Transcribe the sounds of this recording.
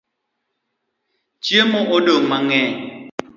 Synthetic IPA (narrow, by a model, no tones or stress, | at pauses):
t͡ʃemɔʔodomaŋɛ